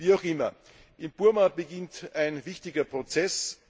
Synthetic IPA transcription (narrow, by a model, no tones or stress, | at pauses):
viːaʊxɪmɐ | ʔɪmb̥ʊɐmabəɡɪntaɪnvɪçtɪɡɐpʁ̥ot͡sɛs